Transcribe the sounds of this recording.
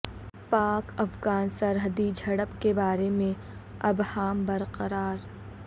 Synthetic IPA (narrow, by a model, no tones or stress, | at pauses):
paːkɐfɡaːnsəɾɦəd̪id͡ʒʱɐɽəpkebaːɾemẽ | ɐbhaːmbɐɾqəɾaːɾ